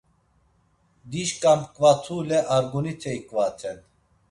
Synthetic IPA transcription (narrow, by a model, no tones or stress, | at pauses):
d̪iʃkʼamkʼvat͡s̪ʰulɛʔaɾɡunit͡s̪ʰɛikʼvat͡sʰɛn